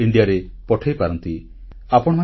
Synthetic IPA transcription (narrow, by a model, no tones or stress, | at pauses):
iɳɖiaɾepɔʈʰajpaɾɔnt̪i | apɔɽ̃ɔma